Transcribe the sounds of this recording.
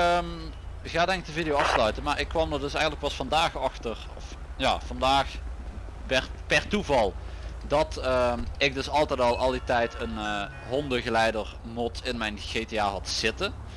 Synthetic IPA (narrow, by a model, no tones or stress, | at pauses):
ə | χaːdɛŋək̚dəvidijowɑfslœɥtənmaːɹɪkːʋɑmdərdɵsɛjɣəntləkpɑsfɑndaːxɑxtərɔ̰f | ja̰ːv̥ɑndaːx | ʋɛrtpɛrtuvɑlˠdɑtəɪk̚dɵsɑlˠtɛjtɑlˠɑlˠditɛjtən | ɦɔndəɣəlɛjdərmɔtɪnmɛjnɣejteaːɦɑtsɪtən